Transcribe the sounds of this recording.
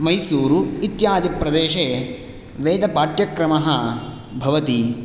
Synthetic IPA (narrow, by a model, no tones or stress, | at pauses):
mɐjsuːɾuit̪jaːd̪ipɾɐd̪eːʃeː | ʋeːd̪ɐpaːʈjɐkɾɐmɐɦɐ | bʱɐʋɐt̪i